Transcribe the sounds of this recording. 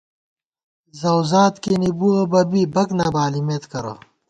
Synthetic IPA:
zɐwzaːt̪kenibuobɐbibɐknabaːlimeːt̪kɐɾo̰

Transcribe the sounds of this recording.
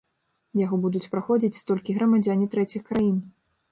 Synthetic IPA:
jaɣɔbud̪ut͡sʲpɾaxɔd͡zʲit͡sʲst̪ɔlʲkʲiɣɾɐmad͡zʲanʲit̪ɾɛt͡sʲixkɾajin

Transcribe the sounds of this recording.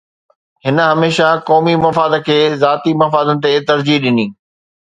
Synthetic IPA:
ɦhɪnə̆ɦɐmeːʃakɔːmimɐfaːd̪̆kʰeːzaːt̪imɐfaːd̪ənɪ̆t̪et̪ɐɾd͡ʑiɦɗɪniː

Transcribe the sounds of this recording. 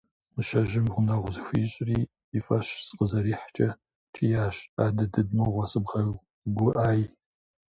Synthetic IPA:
mɨʃɐʒɪmʁʷʊnɐʁʷʊzxʷiːɕʼriː | fʼɐɕsqəzɐɾiːħt͡ʃʼɐ | t͡ʃʰʼijaːɕaːdɐdɨdmɐʁʷɐsɨbʁɐ | ɡʷʊʔaːj

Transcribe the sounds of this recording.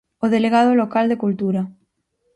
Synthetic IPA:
oðeleɣ̞að̞olokald̪ekult̪uɾa

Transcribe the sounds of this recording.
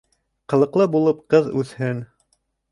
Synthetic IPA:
qɤ̆lˠɤ̆qlˠɤbulˠɤpqɤðʉθhɘn

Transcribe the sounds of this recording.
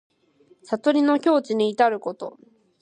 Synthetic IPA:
sat̪o̞ɾʲino̞kʲo̞ːt͡ɕiɲ̟iːt̪aɾɯ̟ko̞t̪o̞̰

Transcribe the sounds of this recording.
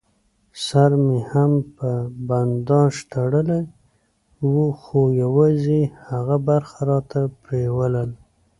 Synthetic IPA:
saɾmehampəband̪ɑʃt̪aɽəlaj | wuxojawɑzehaɣabaɾxaɾɑt̪apɾewaləl

